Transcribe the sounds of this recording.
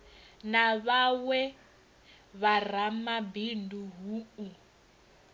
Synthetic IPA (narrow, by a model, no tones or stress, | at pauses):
naβawɛ | βaramabinduɦuːu